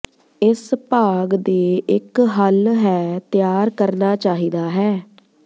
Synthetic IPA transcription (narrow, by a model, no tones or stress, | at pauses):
ɪspaːɡd̪eːɪkɦəlɦɛːt̪ɪjaːɾkəɾnaːt͡ʃaːɦiːd̪aːɦɛː